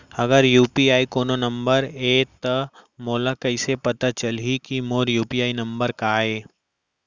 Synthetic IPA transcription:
ɐɡəɾjuːpiaːikoːnonɐ̃mbəɾeːt̪ɐmoːlakɐɪsepɐt̪at͡ʃɐlɦikimoːɾjuːpiaːinɐ̃mbəɾkaːeː

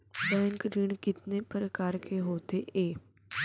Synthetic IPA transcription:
bɛ̃ːŋkɾɪɳ̃kɪt̪nepəɾəkaːɾkʰeɦoːt̪eʔeː

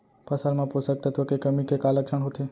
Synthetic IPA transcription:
pəsalmãposək̚t̪ʰət̪okekəmikekaləkʂəɳɦot̪ʰe

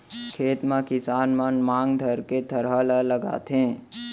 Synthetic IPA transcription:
kʰeːt̪mãkɪsaːnmənmãːŋɡd̪ʱəɾked̪ʰʱəɾɦələləɡa̰ːt̪ẽ

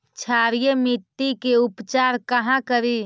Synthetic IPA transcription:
t͡ʃʰaːɾijemit̪ːikeʊpt͡ʃaːɾkəɦãkəɾi

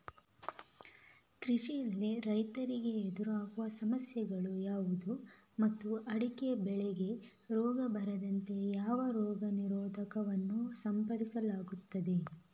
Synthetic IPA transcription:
kɾiʃijɐlːiɾɐjt̪ɐɾiɡe̞ed̪uɾaːɡuʋɐsɐmɐsjɐɡɐɭujaːʋud̪u | mɐt̪ːuʔɐɽikeɐbɛɭɛɡe̞ | ɾɔːɡɐbɐɾɐd̪ɐnt̪e̞jaːʋɐɾɔːɡɐniɾɔːd̪ʱɐkɐʋɐnːusɐmpɐɽisɐlaːɡut̪ːɐd̪e̞

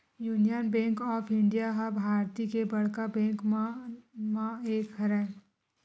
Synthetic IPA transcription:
juːnijənbɛ̃ːŋkɔːpʰɪ̃ɳɖijaɦabʱaːɾt̪ikebɐɽ̤kabɛ̃ːŋk | mãeːkɦəɾɛː

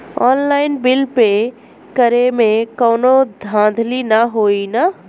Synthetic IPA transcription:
ɔːnlaːɪnbɪlpe | kəɾemẽkɔːnod̪ʱãːnd̪ʱlinɐɦoːina

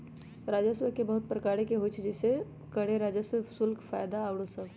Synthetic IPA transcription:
ɾaːd͡ʒəswəkebɐɦʊt̪̚pɾəkaːɽekeɦot͡ʃʰd͡ʒɛse | kəɽ̤eɾaːd͡ʒəsəsʊlkfaːjd̪aːwɽosəb

